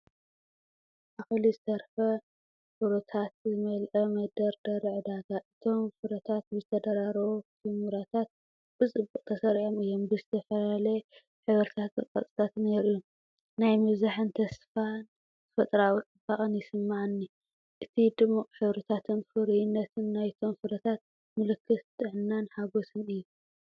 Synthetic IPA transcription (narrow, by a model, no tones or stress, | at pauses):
ʔaxɨlizɨt̪ʰɐɾfɐ | fɨɾɐt̪ʰat̪̚zɨmɐlʔɐmɐd̪ɐɾd̪ɐɾʕɨd̪aɡaʔɨt̪ʰo̞mfɨɾɐt̪ʰat̪̚bɨzɨt̪ʰɐd̪ɐɾaɾɐwot̪ʰɨmuɾat̪ʰat̪̚ | b̥ɨt͡sʼɨbːuqʼt̪ʰɐsɐɾiʕomɨjːombɨzɨt̪ʰɐfɐlalɐ | ħɨβɾt̪ʰat̪ɐkʼɐ̰t͡sʼɨ̥t̪ʰat̪neɾɨjːum | najmɨβzaħɨnt̪ʰɐsfan | zɨfɐt̪ʼɾawt͡sʼɨbaχʼɨnjɪsɨmːaʕɨnːi | ʔɨt̪ʰid̪ɨmːuqʼħɨβɾɨt̪ʰat̪ʰɨnfɨɾijnːɐt̪ʰɨnːajt̪ʰo̞mfɨɾɐt̪ʰat̪̚ | mɨlɨkʰːɨst̪ʰʼɨʕnːanħaɡo̞sɨnɨjːu